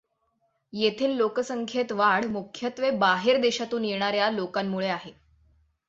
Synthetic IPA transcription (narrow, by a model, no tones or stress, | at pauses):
jet̪ʰiːlːokəsəŋkʰjet̪ʋaɽmukʰjət̪ʋebaɦeɾd̪eɕat̪uːnjeɽ̃aɾjalokamːuɭeaɦe